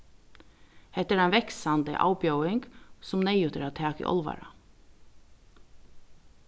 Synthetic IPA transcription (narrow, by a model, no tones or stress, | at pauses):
hɛt̪ːɛɾaɪnʋɛksand̪ə̰ʔa̰ːwpjœwɪŋksʊmnɛjʏt̪ɪɾat̪ʰæːkɪ̰ʔɔ̰lʋa̰ɹa